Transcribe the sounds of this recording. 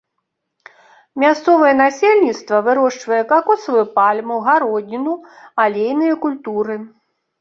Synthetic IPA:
mʲast̪sɔvɐjɛn̪asʲelʲnʲit̪st̪vɐvɨɾɔʂt͡ʂvɐjɛkakɔsɐvɨpalʲmuɣaɾɔd̪ʲnʲinu | alʲejnɨjɐkulʲt̪uɾɨ

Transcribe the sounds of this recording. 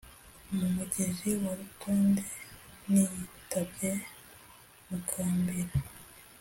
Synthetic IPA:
mumuɟeziwaɾutʰoːndenijitabɟe | mukʰaːmbiɾa

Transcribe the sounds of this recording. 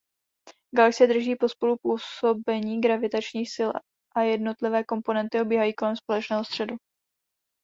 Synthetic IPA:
ɡalɛksɪjɛd̪r̩ʒiːpo̞spo̞lupuːso̞bɛɲiːɡɾavɪt̪at͡ʃɲiːxsɪl | ʔajɛdno̞t̪lɪvɛːko̞mpo̞nɛnt̪ɪobiːɦajiːko̞lɛmspo̞lɛt͡ʃnɛːɦo̞st̪r̥ɛdu

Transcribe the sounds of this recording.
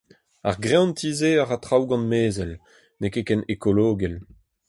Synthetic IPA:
a̰ʁɡʁeɔ̃ntiːzeaʁat̪χawɡɑ̃nmeːzɛl | nekekɛnekoloːɡɛl

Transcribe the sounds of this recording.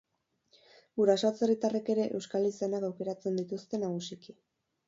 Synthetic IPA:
ɡuɾasat͡se̞rit̪areke̞ɾe̞ʔewskalisenakawke̞ɾat͡se̞nd̪it̪ust̪e̞naɣusiki

